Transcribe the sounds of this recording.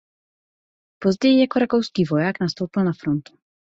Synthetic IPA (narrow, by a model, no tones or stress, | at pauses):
pozɟɛjijakoɾakowskiːvojaːknast̪owpɪlnafɾont̪u̥